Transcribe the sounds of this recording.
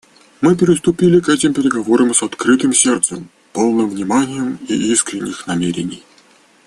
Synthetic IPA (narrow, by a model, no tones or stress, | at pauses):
mɨpʲɪɾʲɪst̪ʊpʲilʲɪkɛtʲɪmpʲɪɾʲɪɡɐvoɾəmsɐt̪kɾɨt̪ɨmsʲert̪səm | po̞lˠnɨmvnʲɪmanʲɪjəmiiskɾʲɪnʲːɪxnɐmʲeɾʲɪ̰nʲɪj